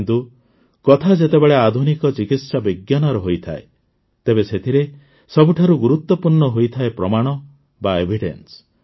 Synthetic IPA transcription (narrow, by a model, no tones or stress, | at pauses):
kint̪u | kɔt̪ʰad͡ʒet̪ebeɭead̪ʱunikɔt͡ʃikit̪sabiɡjanɔɾɔɦojt̪ʰa̰e | t̪ebeset̪ʰiɾe | sɔbuʈʰaɾuɡuɾut̪wɔpuɾɳɔɦojt̪ʰaepɾɔmaɽ̃ɔ | baebʱiɖḛns